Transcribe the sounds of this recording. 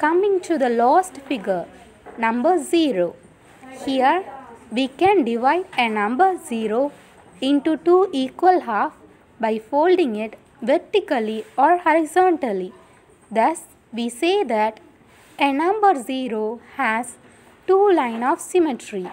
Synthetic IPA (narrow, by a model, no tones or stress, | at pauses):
kʌmɪ̃ŋʈud̪əlɔːsʈfɪɡəɾ | nʌ̃mbəɾziːɾoː | hiəɾʋiːkɛ̃nɖɪʋaɪɖenʌ̃mbəɾziːɾoː | ɪ̃nʈuʈuːʔiːkwəlɦaːf | baɪfoːlɖĩŋɪʈ | ʋɛɾʈikəliɔːɾhɔɾɪzɔ̃ːɳʈəli | d̪ʌs | ʋiːseːd̪æʈ | enʌ̃mbəɾziːɾoːhæz | ʈuːlãɪ̃nɔːʋsɪmeʈɾi